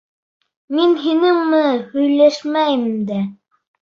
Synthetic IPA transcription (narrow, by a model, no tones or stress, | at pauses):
minɦinɘŋmɘhɵ̆jlæʃmæjmd̪æ